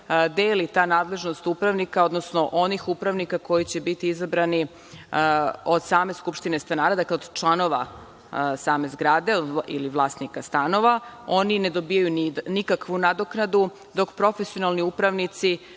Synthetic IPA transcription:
d̪eːlit̪aːnaːd̪le̞ʒno̞st̪upɾaʋnikao̞d̪nosno̞ʔonixupɾaʋnikako̞jit͡ɕe̞bit̪iizabɾani | od̪saːme̞skupʃt̪ine̞st̪anaːɾad̪akleod̪t͡ʃlˠano̞ʋa̰ | saːme̞zɡɾaːd̪eod̪ḭliʋlˠaːst̪nikast̪ano̞ʋao̞nine̞d̪o̞biːjajunnikakʋunad̪o̞knad̪u | d̪o̞kpɾo̞fesio̞nalˠniupɾaʋnit̪si

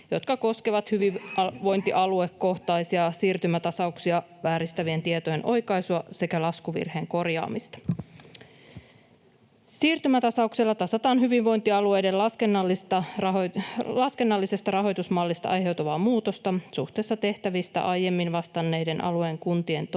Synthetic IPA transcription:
jo̞t̪kɑko̞skeʋɑt̪hyʋiʋo̞jnt̪iʔɑluekko̞ht̪ɑjsiɑsiːrt̪ymæt̪ɑsɑuksiɑ | ʋæːɾist̪æʋie̞nt̪iet̪o̞jenʔo̞̰jkɑjsuɑse̞kælɑskuʋḭrhe̞ːŋko̞rjɑ̰ːmist̪ɑ̥ | siːrt̪ymæt̪ɑsɑukselːɑt̪ɑsɑt̪ɑːnɦyʋiʋʋo̞jnt̪iɑlue̞jdelɑskenːɑlːist̪ɑrɑɦolɑske̞nːɑlːisest̪ɑrɑɦo̞jt̪usmɑlːist̪ɑ̰ʔɑjɦe̞wt̪uʋɑːmuːt̪o̞st̪ɑsuht̪eːsːɑt̪e̞ht̪æʋist̪æ̰ʔɑjjːe̞mːinʋɑst̪ɑnːejde̞nʔɑ̰luejŋkunt̪ie̞nt̪

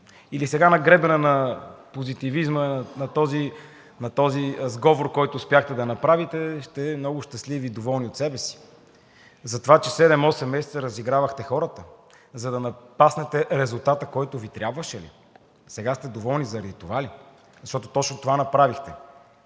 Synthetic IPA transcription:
ilisɛɡanɐɡɾɛbɛnənɐpozit̪ivizmənɐt̪ɔzi | nɐt̪ɔzizɡɔvoɾkɔjt̪ʊːspʲaxt̪ɛd̪ɐnɐpɾavit̪ɛʃt̪ɛmnɔɡʊʃt̪ɐsliviːd̪ovɔlˠniot̪sɛbɛsi̥ | zɐt̪ovat͡ʃɛsɛd̪ɛmɔsɛmːɛsɛ̥t̪səɾəziɡɾavəxt̪ɛxɔɾət̪ə | zɐd̪ɐnɐpasnɛt̪ɛɾɛzulˠt̪at̪əkɔjt̪ʊvit̪ɾjabvəʃɛlḭ | sɛɡast̪ɛd̪ovɔlˠnizɐɾɐd̪it̪ovali | zɐʃt̪ɔt̪o̥t̪ɔt͡ʃnot̪ovanɐpɾavixt̪ɛ

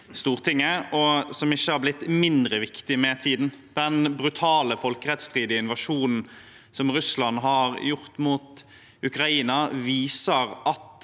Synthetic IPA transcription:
st̪uːʁt̪ʰɪŋːəɔsɔmɪçːəhɑɾblɪt̪ːmɪnd̪ɾəʋɪkt̪ɪmɛt̪ʰiːd̪nd̪̥ɛnbɾʉt̪ʰɑːləfɔlkəʁɛt̪st̪ʁiːd̪ɪəɪnʋɑʂuːnn̩ | sɔmʁʉslɑnɦɑɾjʊʁt̪muːt̪ | ʉkɾɑiːnɑʋiːsəɾɑt̪

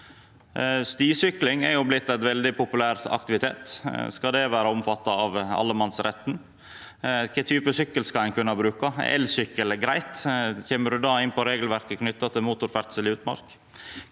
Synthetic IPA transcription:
st̪iːsʏklɪŋɛɾjʊblɪt̪ːɛɪt̪ʋɛld̪ɪpʰʊpʉlæːɾɑ̰kt̪ɪʋɪt̪ʰeːt̪skɑd̪ɛʋæːɾəʊmfɑt̪ːɑɑʋɑ̰lːəmɑnsɾʔɛt̪n | kʰɛt̪ʰyːpəsʏkːəlskɑæɪnkʰʉnːɑbɾʉːkɑɛ̰lsʏkːəlɡɾæɪt̪çɛmːəɖʉd̪ɑːɪnpʰɔɾeːɡəlʋæɾkəkʰnʏt̪ːɑt̪ʰɪmuːt̪ʊɾfæɾt̪səlɪʉːt̪mɑ̰ɾk

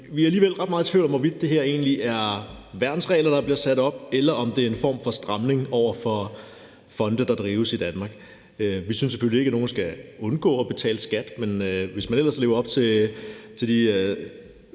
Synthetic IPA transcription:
ʋiæɐæliːʋel̰ʁɑ̈d̥mɑ̈ð̩ˠt͡sʰʋiʊ̰̥ɒ̽mʋɒʋid̥̚ːe̝ɦeɐ̰e̝ːnliʔæɐʋæɐd̥n̩sʁɛ̰ːlɐd̥ɑ̈b̥liɐsæd̥ɒ̽b̥elɐʔɒ̽md̥e̝æɐe̝nfɒ̰ːmfɒ̽sd̥ʁɑ̈mne̝ŋɒʊ̰ɐfɒ̽ | fɒ̽nd̥əd̥ɑ̈d̥ʁiːʊəsid̥ænmɑ̈ɡ̥ | øʋisyns̬ːe̥følie̝ɡ̥æno̝ːn̩sɡ̥æɔ̽nɡ̥ɔ̰̽ːɒ̽b̥e̝t͡sʰɛ̰ːləsɡ̥æd̥menøʋe̝smænel̰ɐsle̝ːʊɐɒ̽b̥t͡sʰe̝t͡sʰe̝ld̥iø

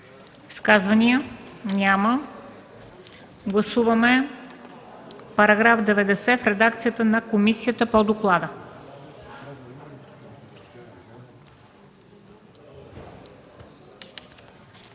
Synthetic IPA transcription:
skazvɐniənʲamə | ɡlˠɐsuvɐmɛ | pɐɾɐɡɾafd̪ɛvɛd̪ɛsɛfɾɛd̪akt̪sijət̪ənɐkomisijət̪əpod̪oklˠad̪ə

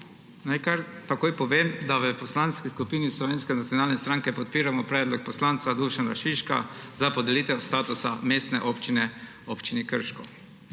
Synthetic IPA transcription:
najkaɾt̪akoːjpɔʋeːmd̪aʋəpɔslanskiskupiːnislɔʋeːnskɛnat̪sʲjonaːlnɛst̪ɾaŋkɛpɔt̪̚piːɾamɔpɾɛːd̪lɔk̚pɔslant̪sad̪uʃanaʃiʃka̰zapɔd̪ɛliːt̪ɛwst̪aːt̪usameːst̪nɛʔopt͡ʃinɛ | opt͡ʃinikəɾʃkɔ

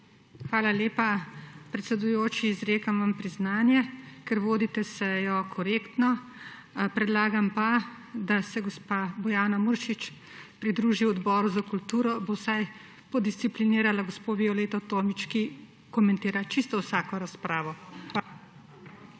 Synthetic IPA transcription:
xʋaːlaleːpapɾɛt̪sɛd̪ujoːt͡ʃiːzɾeːkamʋampɾiznaːnjɛkɛɾʋoːd̪it̪ɛsɛjɔkʰɔɾeːkt̪nɔ | pɾɛd̪laːɡampa | d̪asɛɡɔspaːbɔjaːnamuɾʃit͡ʃ | pɾid̪ɾuːʒiwɔd̪bɔːɾuzakult̪uːɾɔbowsaj | pɔd̪ist̪sipliniːɾalaɡospoːʋiɔleːt̪ɔt̪oːmit͡ʃki | kɔmɛ̃nt̪eːɾat͡ʃist̪ɔwsaːkɔɾaspɾaːʋɔxa

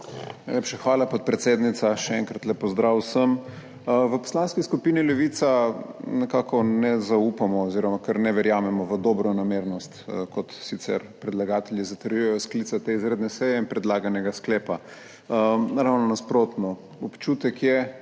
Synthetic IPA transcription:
najlepʃaxʋaːlapot̪̚pɾɛt̪seːd̪nit̪saʃɛɛŋkɾat̪lɛpɔzd̪ɾawsəm | ʋəpɔ̥slaːnskiskupiːnilɛʋiːt̪sanɛkaːkʰɔnɛzaupamɔːziɾɔmakəɾnɛʋɛɾjaːmɛmɔʋəd̪ɔbɾɔnameːɾnɔst̪kɔt̪sit̪sɛ̰ɾpɾɛd̪laɡaːt̪ɛljizat̪əɾjujɛjɔsklit̪sat̪eizɾeːd̪nɛsɛjɛinpɾɛd̪laːɡanɛɡasklɛːpa | əɾawnɔnaspɾoːt̪nɔ | ɔpt͡ʃuːt̪ɛkjɛ

